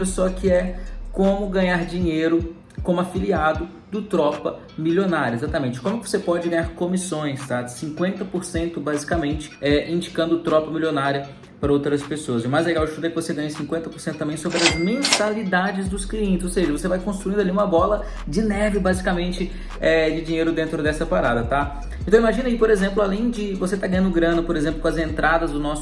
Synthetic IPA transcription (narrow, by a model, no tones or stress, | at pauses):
ɐsɔkɪɛkõmʊɡɐ̃ɲaɾd͡ʒĩɲejɾʊ | kõmʊafiliad̪ʊ | d̪ʊt̪ɾɔpɐ | miljonaɾjɐezat̪ɐmẽnt͡ʃɪkõmuɛkɪvo̥sepɔd͡ʒɪɡɐ̃ɲaɾkõmisõj̃st̪asĩkwẽnt̪ɐpoɾsẽnt̪ʊbazikɐmẽnt͡ʃɪ̥ɛĩd͡ʒikɐ̃nd̪ʊt̪ɾɔpɐmilʲionaɾiɐ | pɾɐowt̪ɾɐspesoɐzɛmajzleɡawɪʃt̪ud̪ɛkɪvoseɡɐ̃ɲɐsĩkwẽnt̪ɐpoɾsẽt̪ʊ̥t̪ɐ̃mẽj̃sobɾɪɐzmẽnt̪alid̪ad͡ʒɪzd̪ʊskliẽnt͡ʃɪzowseʒɐvosevajkõst̪ɾuĩnd̪ʊaliũmɐbɔlɐ | d͡ʒɪnɛɾvɪbazikamẽnt͡ʃɪ | ɛd͡ʒɪd͡ʒĩɲejɾʊd̪ẽnt̪ɾʊd̪ɛsɐpaɾad̪ɐt̪a | ent̪ɐ̃w̃imaʒĩnɐipoɾezẽmplʊalẽj̃d͡ʒɪvoset̪aɡɐ̃ɲɐ̃nd̪ʊɡɾɐ̃nɐpoɾezẽmplʊkõɐzẽnt̪ɾʔad̪ɐzd̪ʊnɔsʊ